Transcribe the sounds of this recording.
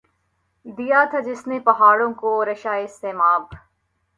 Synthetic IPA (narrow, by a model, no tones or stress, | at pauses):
d̪ijaːt̪ʰɐd͡ʒɪsnepɐɦaːɽõkoɾɐʃaːiɪst̪eːmaːb